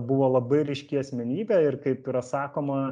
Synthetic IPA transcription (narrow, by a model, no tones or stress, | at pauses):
bʊʋoːlˠɐbɐɪɾʲɪʃʲkʲiɐsʲmʲɛnʲiːbʲɛɪrkɐɪpiɾɐsɑːkoːmɐ